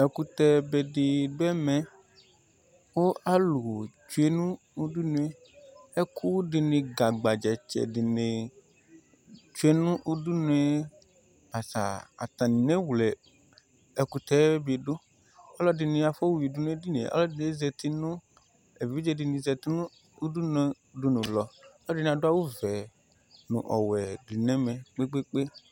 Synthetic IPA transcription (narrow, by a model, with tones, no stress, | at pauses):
ɛ˨ku˨t̪ɛ˨be˨ɖɪ˨ɖo˦ɛ˦mɛ̃˨ | wo˦a˦lu˨o˨t͡ʃu˦e˦nũ˦ | u˦du˦nũ˦e˦ | e˦kʰu˦ɖɪ˨nẽ˨ɡa˨ɡ͡ba˨d͡ʒɛ˨t͡ʃɛ̰˨ɖɪ˨ne˨ | t͡ʃu˦e˦nũ˦ʔu˦du˦nũ˦ɛ˦ | ba˨sa̰˨a̰˨t̪ã˨nĩ˨nẽ˦wlɛ˨ | ɛ˨ku˦t̪ɛ˦bi˨ɖo˦ | ɔ˦lɔ˦di˨nĩ˧a˨fɔ˦wi˨du˨nũ˦e˦di˦nḛ̃˨ɔ̰˦lɔ˦dɪ˨ne˦zɛ˨t̪i˦nũ˦ | e˨vi˦d͡ʒɛ˦di˨nĩ˨zɛ˧t̪i˦nũ˦ | u˦du˦n˨ɛ˦du˦nũ˨lɔ˨ɔ˦lɔ˦dɪ˨ñ˨a˨dʊ˦a˦wo˦vɛ˨ | nṵ̃˨ʔɔ̰˨wɛ˨di˨nɛ̃˨˦mɛ̃˨k͡pe˦k͡pe˦k͡pe˦